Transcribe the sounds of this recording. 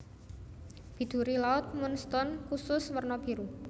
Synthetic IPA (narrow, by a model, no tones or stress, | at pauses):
b̥i̤d̪̥ṳɾilaʊt̪̚munst̪ɔnkusʊswərnɔb̥i̤ɾu